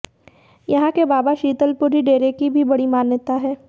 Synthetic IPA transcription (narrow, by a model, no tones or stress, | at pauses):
jɐɦãkebaːbaʃiːt̪əlpʊɾiɖeːɾekibʱibɐɽimaːnjət̪aɦɛː